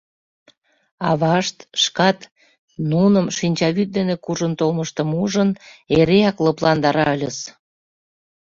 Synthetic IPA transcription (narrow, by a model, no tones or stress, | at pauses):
ɑβɑʃt̪ʃkɑt̪ | nunəmʃinʲt͡ɕɑβyt̪̚d̪enekuʒənt̪olməʃt̪əmuʒəneɾeɑklɤplɑnd̪ɑɾɑəlʲəs